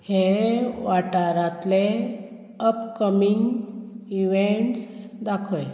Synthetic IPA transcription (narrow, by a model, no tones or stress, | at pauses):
heʋaʈaɾat̪le | əpkəmiŋɡiʋeɳʈsd̪akʰəl